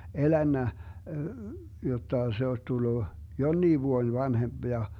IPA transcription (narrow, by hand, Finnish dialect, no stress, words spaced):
elænːæ jotːɑ se osʲ tulːu jonːiː ʋuoĭn ʋɑnhemb̥ jɑ